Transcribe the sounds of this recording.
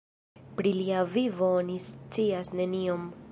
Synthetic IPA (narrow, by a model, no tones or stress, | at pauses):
pɾiliavivoonist͡siasne̞nio̞m